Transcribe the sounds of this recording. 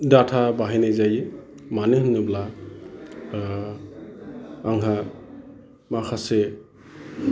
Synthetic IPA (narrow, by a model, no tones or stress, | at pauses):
datʰabaɦajnajzajɯ | manɯɦɯnːɯbla | ŋɦa | makʰase